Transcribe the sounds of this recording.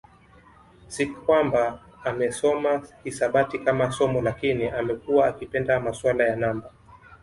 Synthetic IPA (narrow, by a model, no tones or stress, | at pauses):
sikkwambaː | mɛsɔmakisaɓatikamasɔmɔlakiniamɛkuwaːkipɛndamaswalajanamba